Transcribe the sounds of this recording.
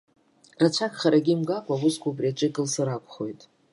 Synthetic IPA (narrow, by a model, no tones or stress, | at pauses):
rat͡ʃʷʰakʰʼχaɾaɡʲimɡakʷʼawʊskʷubriat͡ʃʼɪɡʼɨlsɨɾakʷʰʼχo̞jtʼ